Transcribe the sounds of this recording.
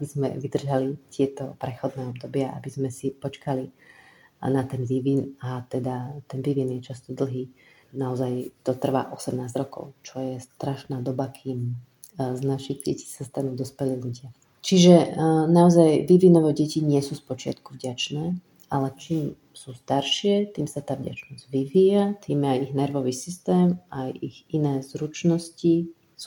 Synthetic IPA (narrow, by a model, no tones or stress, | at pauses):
abizmɛ̰ʋid̪r̩ʒalit̪ɪɛt̪ɔpɾɛxɔd̪nɛːɔbd̪ɔbɪaʔa̰bizmɛsipɔt͡ʃkali | nat̪ɛnʋiʋinat̪ɛd̪at̪ɛnʋiʋinjɛt͡ʃast̪ɔd̪l̩ˠɦiː | naɔzajt̪ɔt̪r̩ʋa̰ːʔɔsɛmnaːzɟɾɔkɔ̰ʊt͡ʃɔjɛst̪ɾaʃnaːd̪ɔbakʰiːm | znaʃiɣɟɛ̰ci̥sast̪anuːd̪ɔspɛliːluɟɪa | t͡ʃiʒɛnaɔzajʋiʋinɔʋɛɟɛciɲɪɛsuːspɔt͡ʃɪa̰t̪kuvɟat͡ʃnɛː | ʔalɛt͡ʃiːm | suːst̪aɾʃɪɛt̪iːmsat̪aːvɟa̰t͡ʃnɔz̥ɟʋiʋiːjat̪iːmjɛajiɣnɛɾʋɔʋiːsist̪ɛːmʔajiɣinɛːzɾut͡ʃnɔsci | s